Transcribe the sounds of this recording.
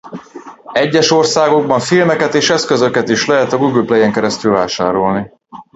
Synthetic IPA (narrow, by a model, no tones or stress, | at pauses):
ɛɟːɛʃo̞rsaːɡo̞ɡ̚bɒɱfilmɛkɛt̪eːʃɛskøzø̞kɛt̪iʃlɛɦɛt̪ɒɡuɡylplɛjɛŋkɛɾɛst̪ylvaːʃaːɾo̞lni